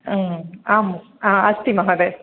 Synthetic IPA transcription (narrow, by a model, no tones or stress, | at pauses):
aːm | aːɐst̪imaɦɐde